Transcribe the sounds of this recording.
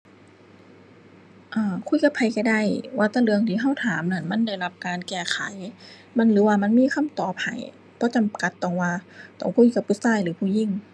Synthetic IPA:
ʔaː˧˩kʰu˧˥˨jka˧˦pʰːa˧˩jka˧˩da˧˩˨jwaː˧˩t̪aː˧˩lɯ˧əŋt̪ʰiː˧˦ɦa˧˥˩wt̪ʰaː˨˦mna˧˩˨nma˧˥˨nda˧˩jla˧˥p̚kaː˨˧nkɛː˧˩kʰa˨˦j | ma˧˥˨nlɯː˨˦waː˧ma˧˥˨nmiː˧˥˨xʰa˧˥˨mt̪ɔː˨˩p̚ha̰˨˦j | pʰɔː˧˥˦t͡ɕa˧˦mka˧˦t̪ːɔ˧˩ŋwaː˧t̪ɔ̰ː˧˩ŋkʰu˧˥˨jka˧˦p̚ʰːu˧˨saː˧˨jlɯː˨˦pʰuː˧˩˨ji˧˥˨ŋ

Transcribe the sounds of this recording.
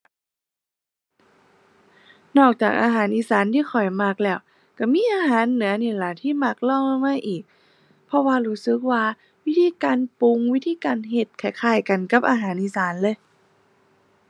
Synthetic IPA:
nɔː˧˩k̚t͡ɕaː˨˩k̚ʔaː˧ɦaː˩˦nʔiː˧˥˨saː˨˦nt̪ʰiː˧˥˨xʰɔ˨˩jma˧˩k̚lɛː˧˩w | ka˧˩miː˧˥˨ʔaː˧ɦaː˨˦nːɯ˨˩˦ɐniː˧˩la˧˩t̪ʰiː˧˥˩ma˧˩k̚lɔː˧˩˨ŋa˧˨maː˧˥˨ʔiː˨˩k̚ | pʰɔ˧waː˧˨luː˧˥˩sɯ˧˦k̚waː˧ | wi˦˥t̪ʰiː˧˥˨kaː˨npu˧˨ŋwi˦˥t̪ʰiː˧˨kaː˨nɦe˧t̪̚kʰa˧˩jkʰaː˧˩jka˨nka˧˥p̚ʔaː˧ɦaː˨˦nʔiː˧˥˨saː˨˦nlɤː˧˨j

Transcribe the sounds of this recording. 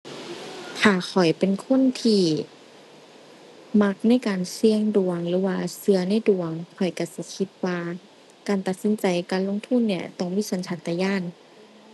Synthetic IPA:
kʰaː˧˩xʰɔ˨˩jpe˨nkʰo˧˥˨nt̪ʰiː˧˩ | ma˧˥k̚na˧˥˨jkaː˨˩nsi˧əŋdu˨˩əŋlɯː˨˧˦waː˧sɯ˧ɐna˧˥˨jdu˨˩əŋkʰɔ˨˩jka˧˩si˧˩˦kʰi˧˥t̪̚waː˧ | kaː˨nt̪a˨˩t̪̚si˧˦nt͡ɕa˨jkaː˨nlo˧˥˨ŋt̪ʰu˧˥˨nːi˧˩ɐt̪ɔ˧˩ŋmiː˧˥˨so˨˧˦nt͡ɕʰa˧˥t̪ːaː˧jaː˧˥˨n

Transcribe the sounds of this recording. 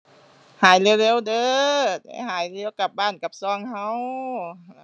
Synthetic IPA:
haː˨˦jle˧˥wleː˧˥˨wdɤː˧˦da̰˧˩ɦaː˨˩˦jleː˧˥˨wka˧˦p̚baː˧˥˩nka˧˦p̚sɔː˧˩˨ŋha˧˥ww

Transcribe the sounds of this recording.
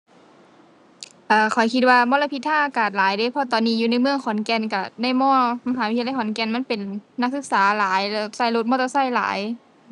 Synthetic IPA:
ʔaː˧˩kʰɔ˨˩˦jkʰi˧t̪̚waː˧mɔː˧˥˨la˧pʰi˧t̪̚ʰːaː˧˥˩ʔa˧kaː˨˩t̪̚laː˨˦jdɤː˧˥˨jpʰɔ˧t̪ɔː˨nːiː˧˥juː˧na˧˥jmɯ˧əŋkʰɔ˨˦nkɛ˧nka˧˩na˧˥˨jmɔː˧˥˩ma˧ɦaː˨˦wi˦t̪ʰːjkʰɔ˨˦nkɛ˧˨nma˧˥˨npe˨nːa˧˥k̚sɯ˧˥k̚saː˨˦laː˨˦jlɛ˧˩sa˧˩jlo˧t̪̚mɔː˧t̪ɔː˧˥sa˧˥˩jla̰ː˨˩˦j

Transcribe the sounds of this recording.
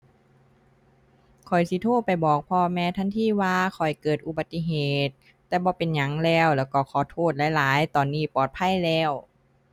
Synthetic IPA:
kʰɔ˨˩jsi˧˦t̪ʰoː˥˩t̪̚pa˨˩jbɔː˨˩k̚pʰɔː˧mɛː˧˥t̪ʰa˧˥˨nt̪ʰiː˧˥˨waː˧kʰɔ˨˩jkɤː˨˩t̪̚ʔu˧˦ba˨˧t̪ːi˧˨ɦeː˨˩t̪̚ː | ɛː˧bɔː˧˦pe˨nɲa˧˦˩ŋlɛː˧˩wlɛː˧˩wkɔː˧˩kʰɔː˧˩t̪ʰoː˧˥˩t̪̚laː˨˧˦jlaː˨˦jt̪ɔː˨˩nːiː˧˩˨pɔː˨˩t̪̚pʰa˧˥˨jlɛː˧˥˩w

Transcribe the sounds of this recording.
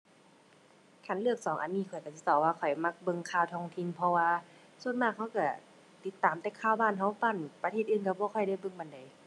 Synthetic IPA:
kʰa˧˩˨nlɯ˧˩ək̚sɔː˨˦ŋʔa˨nːiː˧˩kʰɔ˨˩jka˧˩si˧˦t̪ɔː˧˩waː˧kʰɔ˨˩jma˧˩k̚bɤ˧˨ŋkʰaː˧˩wt̪ʰɔː˧ŋt̪ʰi˧˨npʰɔ˧waː˧ | su˧ənmaː˧˩k̚hʰa˧˥˨wka˧˩ | t̪i˧˦t̪ːaː˨˦mt̪ɛː˧˩kʰaː˧˨wbaː˧˥˨nɦa˧˥˩wfa˧˨npa˧t̪ʰeː˧˩t̪̚ʔɯː˧˩˨nka˧˩bɔː˧˦kʰɔ˧˩jda˧˩˨jbɤ˧ŋba˧˩nda˨˦j

